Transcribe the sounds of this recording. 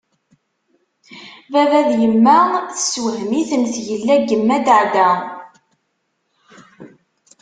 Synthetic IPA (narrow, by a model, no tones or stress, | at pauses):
vævæðjəmːæθə̥swəɦmiθənθjəlːæɡəmːæd̪ʕd̪æ